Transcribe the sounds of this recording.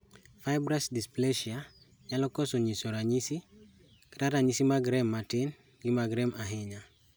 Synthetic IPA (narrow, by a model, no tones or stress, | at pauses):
fajbɾasdispleʃia | ɲalokosoɲisoɾaɲisi | kiɾaɾaɲisimaɡɾemːatin | ɡimaɡɾemaɦiɲa